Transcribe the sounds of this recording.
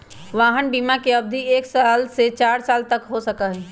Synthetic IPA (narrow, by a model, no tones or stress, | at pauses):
ʋaːɦənbiːmakeɐb̚d̪ʱieːksaːlset͡ʃaːɾsaːlt̪əkɦosəkəɦɛ̃